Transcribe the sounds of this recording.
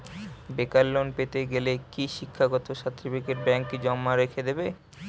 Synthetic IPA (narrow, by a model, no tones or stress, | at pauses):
bekalːonpet̪eɡelekiʃikʰːaɡɔt̪oʃat̪ːɾibikeʈbɛŋkːid͡ʑɔmːaɾekʰed̪ebe